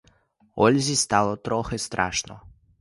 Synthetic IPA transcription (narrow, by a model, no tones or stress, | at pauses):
oʎʲzist̪alˠot̪ɾoxɛst̪ɾa̰ːʃno̰